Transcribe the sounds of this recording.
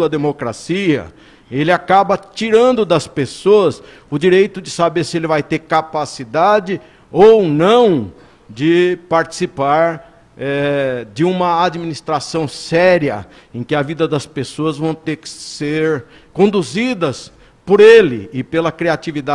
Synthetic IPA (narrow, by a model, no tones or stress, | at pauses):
ɐd̪emokɾasiɐ̰ | elɪakabɐt͡ʃiɾɐ̃nd̪ʊd̪ɐspesoɐs | ʊd͡ʒiɾejt̪ʊd͡ʒɪsabeɾsɪelɪvajt̪eɾkapasid̪ad͡ʒɪ | ownɐ̃w̃ | d͡ʒɪpaɾt͡ʃi̥sipaɾ | ɛd͡ʒɪũmɐad͡ʒiminist̪ɾasɐ̃w̃sɛɾjɐ̰ | ẽkɪɐvid̪ɐd̪ɐspesoɐzvɐ̃w̃t̪eɾkɪ̥seɾ | kõnd̪uzid̪ɐs | poɾelɪ̰ɪpelɐkɾiat͡ʃ̪ivid̪a